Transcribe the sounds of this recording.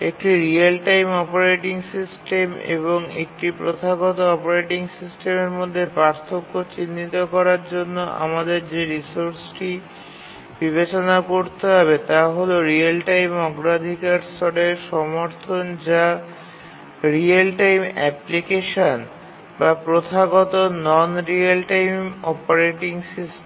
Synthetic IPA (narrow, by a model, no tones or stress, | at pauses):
ek̚ʈiɾialʈajmɔpoɾeʈiŋsisʈemḛβoŋḛk̚ʈipɾot̪ʰaɡɔt̪oɔpoɾeʈiŋsisʈemeɾmod̪ʱːepɾaɾt̪ʰokːot͡ɕinːit̪okɔɾaɾd͡ʑonːoʔa̰mad̪eɾd͡ʑeɾisoɾsʈi | biβet͡ɕonakoɾt̪eɦɔβet̪aɦoloɾialʈajmɔɡɾad̪ʱikaɾsɔɽeʃɔmoɾt̪ʰond͡ʑa | ɾialʈajmɛ̰plikeʃon | bapɾot̪ʰaɡɔt̪onɔnɾialʈajmɔpoɾeʈiŋsisʈ